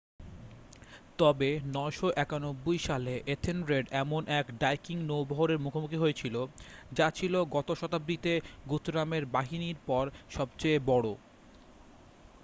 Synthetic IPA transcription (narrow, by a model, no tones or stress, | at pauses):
t̪ɔbenɔeʃoʔɛkanobːojʃaleʔet̪ʰenɾeɖɛmonʔɛkɖajkiŋnowbɔɦoɾeɾmukʰomukʰiɦojet͡ɕʰilod͡ʑat͡ɕʰiloɡɔt̪oʃɔt̪abɾit̪eɡut̪ɾameɾbaɦiniɾpɔɾʃɔbt͡ɕeebɔɽo